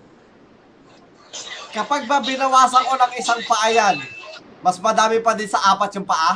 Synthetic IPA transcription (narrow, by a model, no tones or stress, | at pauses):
kɐpaɡ̚mɐbɪnɐwaːsɐŋkonɐŋɪsaŋpɐʔajanmɐsmɐd̪aːmɪpɐd̪ɪnsɐʔaːpɐt̪̚jʊŋpɐʔa